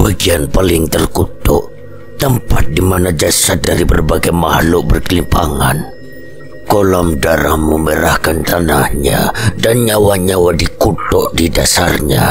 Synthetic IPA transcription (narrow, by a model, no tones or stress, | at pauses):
baɡianpalɪŋt̪ərkut̪ɔ̰ʔ | t̪əmpat̪̚dimanad͡ʒasat̪̚daɾibərbaɡajmahluʔbərkəlimpaŋan | kolamdaɾahmməməɾahkant̪anahɲa̰danɲawaɲawadikut̪ɔʔdidasarɲa̰